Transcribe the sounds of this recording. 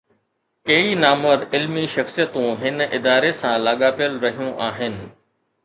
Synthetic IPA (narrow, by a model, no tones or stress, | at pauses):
keːinaːməɾɪlmiʃɐxsijət̪ũɦɪnɪd̪aːɾesãːlaːɠaːpijəlɾɐɦijũʔaːɦɪnɪ̆